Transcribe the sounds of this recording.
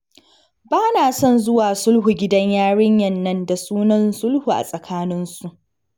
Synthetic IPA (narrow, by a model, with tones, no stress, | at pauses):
baː˦naː˨sɔ˦˨nzʊ˦waː˨sʊ˦lɦu˨ɡʲɪ˦dɐ˦ɲjaː˦ɽɪ˦ɲjɐ˨nːɐ˦nda˨suː˦nɐ˦nsʊ˦lhuː˨ʔa̰˨sʼɐ˨kʰaː˦nɪ˦nsu˨ʔ